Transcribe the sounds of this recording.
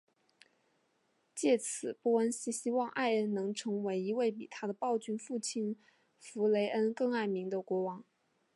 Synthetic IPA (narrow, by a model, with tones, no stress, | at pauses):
t͡ɕjɛ˥˩t͡sʰɹ̩˨˩pɔ˥˩ə˥nɕi˥ɕi˥wɑ˥˧ŋʔa˥˩ɪə˥nnɤ˧˥ŋʈ͡ʂʰɤ˧˥ŋwe˧˥ɪi˧˥we˥˩ɪp̬ḭ˨˩t̪ʰa˥d̪ə˨pɑ˥˧ʊt͡ɕy˥˧nfu˥˩t͡ɕʰi˥n | fu˧˥le˧˥ɪʔə˥nkɤ˥˧ŋa˥˩ɪmi˧˥ŋd̪ə˧kwɔ˧˥wɑ˧˥ŋ